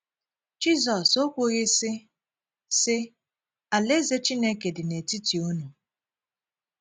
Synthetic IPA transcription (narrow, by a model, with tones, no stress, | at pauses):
d͡ʒi˦zɔ˨so˦kʷʊ˦ɣɪ˦sɪ˦ | sɪ˦ | a˨le˦ze˦t͡ʃi˦ne˦ke˨dɪ˨ne˨ti˦ti˨o˦nu˨